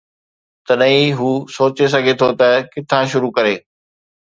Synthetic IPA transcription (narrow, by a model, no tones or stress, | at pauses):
t̪ɐɗɐɦĩɦuːsoːt͡ɕes̬ɐɡʱet̪ʰot̪ɐkɪt̪ʰãʃʊɾukɐɾeː